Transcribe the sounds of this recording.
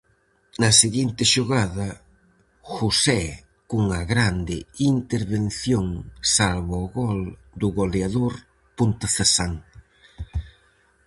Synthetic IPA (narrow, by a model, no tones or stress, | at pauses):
nɐseɣint̪ɪʃoɣaðɐ | xusɛ | kuŋɐɣɾand̪ɪint̪eɾβen̟θjoŋsalβɔɣɔl | d̪ʊɣoleaðoɾ | punt̪aθesaŋ